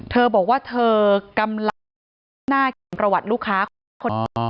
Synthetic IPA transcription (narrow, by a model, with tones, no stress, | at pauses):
t̪ʰɤː˧bɔː˨˩k̚waː˥˩t̪ʰɤː˧ka˧ml | naː˥˩kːmpɾa˧wa˨˩t̪̚luː˥˩kʰːaː˦˥ | kʰo˧